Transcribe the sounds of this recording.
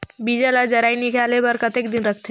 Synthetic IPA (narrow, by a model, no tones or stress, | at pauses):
bid͡ʒalad͡ʒɐɾaːinɪkaːlebəɾkət̪ekd̪ɪnɾəkʰt̪e